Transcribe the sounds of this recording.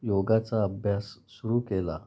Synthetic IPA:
joɡat͡saəbʱjasːuɾuːkela̰

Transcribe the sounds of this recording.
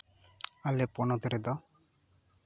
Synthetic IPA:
alɛpɔnɔd̪ɔɾɛd̪ɔ

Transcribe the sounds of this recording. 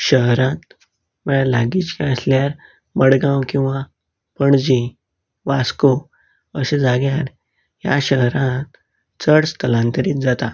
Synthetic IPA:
ɕəɦɾãt̪̚ | məɭalaɡiːt͡ɕkaəsljaɾ | məɽɡãwkĩw̃ʋa | pəɳd͡ʑi | ʋasko | əɕẽd͡zaɡjaɾ | ja̰ɕəɦɾãt̪ | t͡səɽst̪ʰəlãnt̪əɾiːd͡zat̪a

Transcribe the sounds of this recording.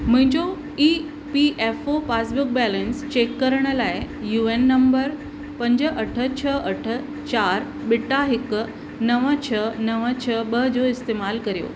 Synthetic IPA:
m̤ə̃ɲd͡ʑo | i | piefopasbuk̚bɛlənst͡ɕekːəɾɳəlae | juenːəmbəɾ | pəɲd͡ʑəʔəʈʰət͡ɕʰəəʈʰə | t͡ɕaɾ | biʈaɦikː | nəʋə̃t͡ɕʰənəʋə̃t͡ɕʰəbəd͡ʑoist̪emalkəɾjo̰

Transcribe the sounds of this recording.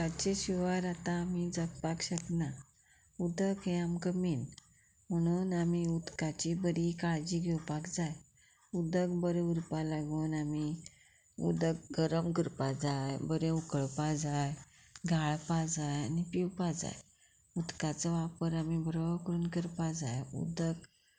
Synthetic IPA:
aɭt͡ɕeɕiʋəɾat̪ãːmid͡zəkpakɕəkna | ud̪əkɦẽamkəmiːn | m̤əɽ̃uːnamiud̪kat͡ɕibəɽikaɭd͡ʑiːɡʱewpakd͡zaj | ud̪əɡbəɾẽuɾpalaɡuːnami | ṵd̪əɡɡəɾəmɡəɾpad͡zajbəɾẽukəɭpad͡zaj | ɡʱaɭpad͡zajanipiwpad͡za̰j | ud̪kat͡səʋapəɾamibʱɾəkəɾuːnkəɾpad͡zajṵd̪əɡ

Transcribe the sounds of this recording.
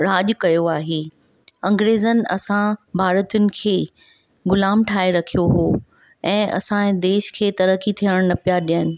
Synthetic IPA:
ɾaːʄkɐjoaːɦeː | ɐ̃ŋɡɾeːzənɪ̆ɐ̰sãbʱaːɾət̪ʊnɪ̆kʰeː | ɡʊlaːmʈʰaːeɾɐkʰijoɦoː | ɛ̃ːɐ̰sãẽd̪eːʃkʰeːt̪ɐɾəkit̪ʰiəɽ̃nɐpijaɗiənɪ̆

